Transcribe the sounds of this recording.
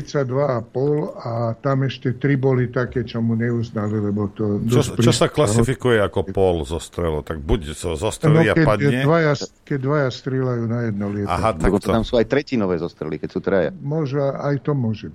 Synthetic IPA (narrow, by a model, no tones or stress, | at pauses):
sad̪ʋaapɔlat̪amɛʃcɛt̪ɾibɔlit̪akɛːt͡ʃɔmuɲɛuznalilɛbɔt̪ɔdt͡ʃ̪ɔɾt͡ʃiɔsaklasifikujɛakɔpɔlzɔst̪ɾɛlɔt̪aɡ̚buczɔzɔst̪ɾɛlnɔiaɛpad̪ɲɛʋajakɛɟd̪ʋajast̪ɾɪɛlajuːnajɛd̪̚nɔlɪɛa̰ɦat̪akɔɔt̪amsuːajt̪ɾɛcinɔʋɛːzɔst̪ɾɛlikɛcsuːt̪ɾaja̰mʊɔʒuaajt̪ɔmʊɔʒɛbi